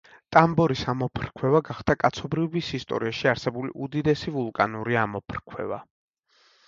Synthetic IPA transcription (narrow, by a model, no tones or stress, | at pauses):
t̪ʼambɔɾisamɔpʰɾkʰwɛvaɡaχd̪akʼat̪sʰɔbɾivbisist̪ʼɔ̰ɾiaʃiaɾsɛbulḭʔud̪id̪ɛsivulˠkʼanuɾiamɔpʰɾkʰwɛ̰va̰